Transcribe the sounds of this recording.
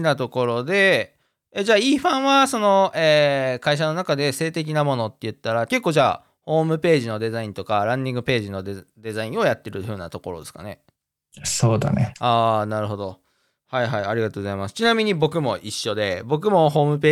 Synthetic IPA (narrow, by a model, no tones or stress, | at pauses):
nat̪o̞ko̞ɾo̞d̪e̞ | ed͡ʑaːiːɸãɰ̃βaso̞no̞eːkaiɕ̬ano̞nakad̪e̞se̞ːt̪e̞k̬ʲinamo̞no̞t̪ːe̞jɯ̟t̪ːaɾake̞kːoːʑa̰ː | ho̞ːmɯ̟pe̞ːʑino̞d̪e̞zaĩnt̪o̞kaɾãɲd̪ʲĩŋɡɯ̟pe̞ːʑino̞d̪d̪e̞zaĩɰ̃o̞jat̪ːe̞ɾɯ̟ɸɯ̟ːnat̪o̞ko̞ɾo̞̰d̪e̞sɨ̥ka̰ne̞ | soːd̪a̰nḛaːnaɾɯ̟ɦo̞d̪o̞ | haiɦaiaɾʲiɡat̪oɡo̞zaimasɨ̥t͡ɕinamʲiɲ̟ibo̞kɯ̟mo̞ʔiɕːo̞d̪e̞bo̞k̬ɯ̟mo̞ɦo̞ːmɯ̟p̬eː